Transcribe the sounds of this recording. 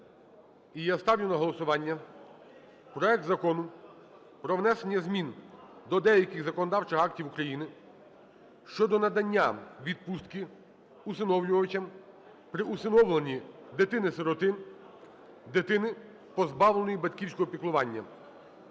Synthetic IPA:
ijast̪ɑwjʲʊnɐɦɔlˠɔsʊʋɑnʲːɐ | pɾɔɛk̚t̪zɐkɔnʊ | pɾɔʋnɛsenʲːɐzmʲind̪ɔd̪ɛjɐkʲɪɣzɐkɔnɔd̪ɑwt͡ʃɪxɑktʲiwukɾɐjinɪ | ʃt͡ʃɔd̪ɔnɐd̪ɐnʲːaʋʲid̪̚pust̪kɪ | usɪnɔwlʲʊʋɐt͡ʃʲɐm | pɾɪʔusɪnɔwlˠenʲid̪ɪt̪ɪnɪsɪɾɔt̪ɪn | d̪ɪt̪ɪnɪ | pɔzbɑwlˠenɔjibɐd̪ʲkʲiwsʲkɔɦɔpʲiklˠʊʋɑnʲːɐ̰

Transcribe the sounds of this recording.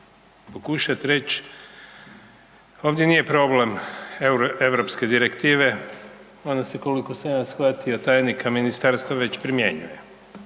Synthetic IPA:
pokuʃat̪ɾe̞t͡ɕ | oʋd̪je̞nije̞pɾo̞ble̞mɾe̞ʋɾopske̞d̪iɾe̞kt̪iːʋe̞ | o̞nase̞kolikosenasxʋat̪iot̪aːjnikʰaminist̪aɾst̪ʋaʋe̞t͡ɕpɾimjeɲṵje̞

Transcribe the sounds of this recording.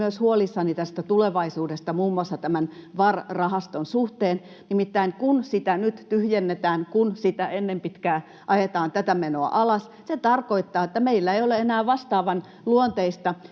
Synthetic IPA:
yøshuolisːɑnit̪æst̪æt̪uleʋɑisuːdest̪ɑmuːmːuɑsːɑt̪æmænʋɑrrɑhɑst̪onsuht̪eːn | nimit̪ːæiŋkunsit̪ænyt̪t̪yhjenːet̪æːnkunsit̪æenːempit̪kæː | ʔɑjet̪ɑːnt̪æt̪æmenoɑ̰ʔɑlɑs | set̪ɑrkoit̪ːɑːet̪ːæmeilːæeioleenæːʋɑst̪ɑːʋɑn | luont̪eist̪ɑ

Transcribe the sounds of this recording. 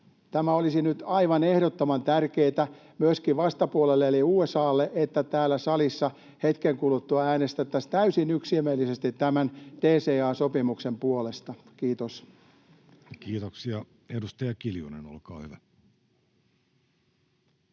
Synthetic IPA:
t̪æmæolisinyt̪ɑiʋɑnehɾot̪ːomɑnt̪ærkeːt̪æmyøskiʋɑst̪ɑpuolelːeeliuːesɑːlːeʔet̪ːæt̪æːlːæsɑlisːɑ | he̞t̪keŋkulut̪ːuɑæːnest̪et̪ːæst̪æysinyksiemelːisest̪it̪tæmænt̪eːseːɑːsopimuksempuole̞st̪ɑkiːt̪os | kiːt̪oksiɑ | edust̪ɑjɑkiljṵnḛno̰lkɑ̰ːhyʋæ

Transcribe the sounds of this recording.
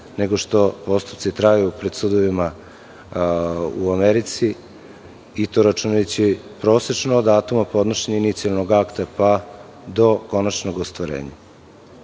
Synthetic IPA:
neɡoʃt̪o̞po̞st̪u̥pt̪sit̪ɾajupɾe̞d̪sud̪oʋima | uameɾit̪si | it̪oɾat͡ʃunajet͡ɕipɾo̞ːset͡ʃnoːd̪aːt̪umapo̞d̪noʃeɲainit̪sialnoɡakt̪apa | d̪o̞ko̞nat͡ʃnoɡost̪ʋaɾḛːɲa

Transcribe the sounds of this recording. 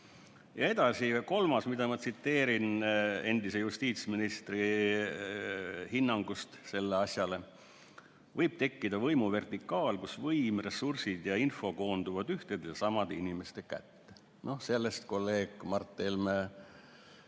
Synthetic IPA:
jɑe̞d̪̥ɑsiko̞lmɑsmid̪̥ɑmɑt̪sit̪ːe̞ːɾine̞nd̪ise̞just̪iːt̪sminist̪ri | hinːɑŋɡ̥ust̪se̞lːeɑsʲjɑle̞ | vɤjb̥̚t̪e̞kːid̪̥ɑvɤjmuve̞rt̪ikːˑɑːlkusvɤjmre̞sursid̪̥jɑinfo̞ko̞ːnd̪̥uvɑd̪̥yht̪ed̪jɑsɑmɑd̪einime̞st̪e̞kæ̰t̪ːe | no̞se̞lːe̞st̪ko̞lːe̞ːɡ̥mɑrt̪ːˑelme

